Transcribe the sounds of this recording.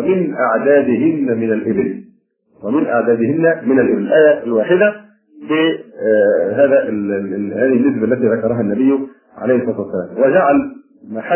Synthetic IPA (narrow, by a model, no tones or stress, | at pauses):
mɪnʔaʕd̪aːd̪ɪɦɪnːmɪnalʔɪbɪl | wamɪnʔaʕd̪æːd̪ɪhɪnːæmɪnalʔɪbɪllʔaːjælwaːħɪd̪æ | bɪ | ɦaːðæʔhaːðinːɪs̬bælːæt̪iːðɑkɑɾˤɑɦanːæbɪjːʊ | ʕa̰lejhsˤɑːt̪uwasːæla̰ːmwɪd͡ʒaʕal | maħa